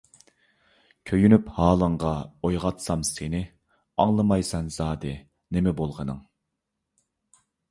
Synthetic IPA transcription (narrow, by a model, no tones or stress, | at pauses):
kʲʰøjynyphɑːlˠəɴʁɑojʁɑt̪sɑmsenɪ | ɑŋlˠəmɑjsɛnz̥ɑːd̪ɨ | nemɛbolˠʁənɨ̰ŋ